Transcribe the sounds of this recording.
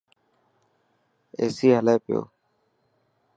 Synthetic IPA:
ḛːsiːɦəleːpɪjo̰ː

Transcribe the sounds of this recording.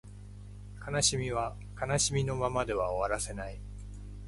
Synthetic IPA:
kanaɕimʲiβa | kanaɕimʲino̞mamad̪e̞βaoβaɾase̞nai

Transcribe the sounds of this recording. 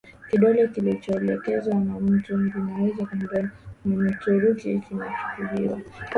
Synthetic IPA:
kiɗɔlɛkilit͡ʃɔɛlɛkɛzwanam̩tumɡinawɛzakum̩bɔnim̩tuɾukikinat͡ʃu̥kuliwa̰

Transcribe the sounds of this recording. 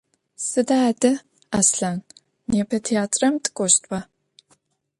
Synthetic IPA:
sɨdadɐ | asɬaːn | neːpʰɐtʰiaːtʼrɐmtʼkʷʼoʃtʼwa

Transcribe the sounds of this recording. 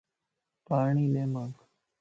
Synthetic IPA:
paːɳ̃iːleːmaːk

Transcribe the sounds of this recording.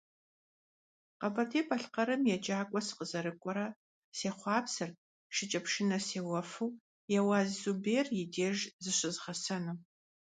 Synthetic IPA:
qɐbɐtʰeːpʰʼɐɬqɐɾɨmjɛd͡ʒʼaːkʷʼɔsɨ̥qəzɐɾɨkʷʼɔɾɐ | seːχʷɑːpʰsɐr | ʃɪt͡ʃʼɐpʰʂɪnɐseːwɐfuw | jɛwaːzzubeːrjɪdeːʒzɨɕʷɪzʁɐsɐnɨ

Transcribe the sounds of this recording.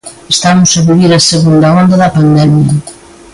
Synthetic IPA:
est̪anʊseβiβiɾɐseɣund̪ɐɔnd̪ɐðɐpand̪ɛmjɐ

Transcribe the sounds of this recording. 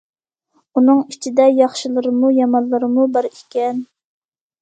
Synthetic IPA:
unɨŋit͡ʃʰid̪ɛjɑχʃilˠɨɾɨmujɑmɑnlˠɨɾɨmubɑɾikʲɛn

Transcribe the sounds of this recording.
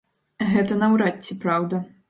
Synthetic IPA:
ɣɛt̪ɐnɐwɾatʲːipɾawd̪ɐ

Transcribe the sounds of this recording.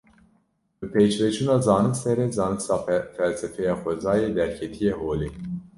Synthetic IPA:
bɨpʰeːt͡ʃvɛt͡ʃʰuːnɑːzɑːnɨksɛɾɛzɑːnɨksɑːfɛlsɛfɛjɑːxʷɛzɑːjeːd̪ɛɾkʰɛt̪ʰijeɦoːliː

